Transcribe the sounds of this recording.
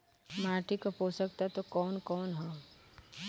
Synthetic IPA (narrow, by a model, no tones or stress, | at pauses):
maːʈikopoːsək̚t̪at̪okɔːnkɔːnɦɛː